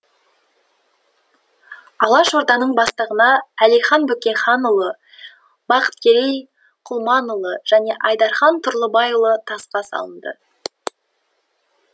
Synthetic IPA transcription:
ɑlˠɑʃo̞ɾd̪ɑnəɴbɑst̪əʁənɑælijχɑnbɵkʲejχɑnʊlˠə | bɑqə̥t̪̚kʲʰe̞ɾej | qʰʊlˠmɑnʊlˠəʒ̥æne̞ʔɑjd̪ɑɾχɑnt̪ʰʊɾlˠəbɑjulˠət̪ʰɑsqɑsɑ̰lˠənd̪ə̰

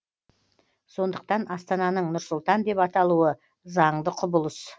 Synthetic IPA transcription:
so̞nd̪əq̚t̪ɑnɑst̪ɑnɑnəɴnʊɾsʊlˠt̪ɑnd̪e̞pɑt̪ɑlˠuə | zɑɴd̪əqʰʊbʊlˠəs

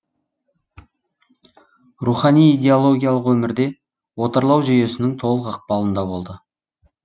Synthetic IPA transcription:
ruχɑnijijd̪ʲe̞olˠo̞ɡʲijalˠəqwɵmɪɾd̪e̞ | wo̞t̪əɾlˠɑwʒije̞sɪnɪŋt̪ʰo̞lˠəqɑq̚pɑlˠənd̪ɑbo̞lˠd̪ə

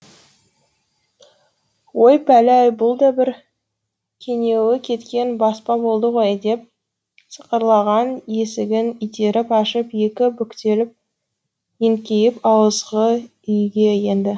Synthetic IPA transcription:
wo̞jpʰælæjbʊlˠd̪ɑbɪɾ | kʲʰe̞ŋe̞wɪkʲʰe̞t̪kʲe̞nbɑspɑbo̞lˠd̪əʁo̞jd̪e̞p̚ | sə̥qəɾlˠɑʁɑne̞sɪɡʲɪnʏjt̪e̞ɾɪpɑʃəpje̞kʲɪbʏkʲt̪e̞lɪp̚ | eŋkʲe̞jɪpɑwˠəzʁə | ʏjɡʲe̞je̞nd̪ɪ

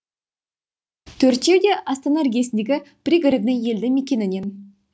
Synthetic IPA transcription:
t̪ʰɵɾt̪ʲe̞wd̪e̞ʔɑst̪anarɡʲijesɪnd̪ʲeɡʲɪb̥ɾʲiɡaɾed̪nəŋje̞ld̪ɪmekʲe̞nɪne̞n

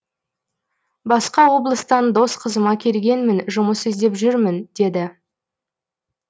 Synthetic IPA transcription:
bɑsqɑwo̞blˠəst̪ɑnd̪o̞sqʰəzəmɑkʲʰe̞lɡʲe̞nmɪnʒʊməsezd̪e̞pʒʏɾmɪnd̪̥e̞d̪ɪ

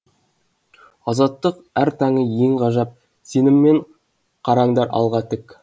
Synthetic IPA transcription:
ɑzɑt̪ːəqæɾt̪ʰɑɴəje̞ŋqɑʒɑp̚ | se̞nɪmːe̞ɴ | qʰɑɾɑɴd̪ɑɾɑ̰lˠʁɑt̪ɪk

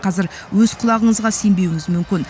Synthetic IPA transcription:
qʰɑzɪɾ | wɵzqʰʊlˠɑʁəɴəzʁɑse̞mbewɪŋɪzmʏmkʲɪn

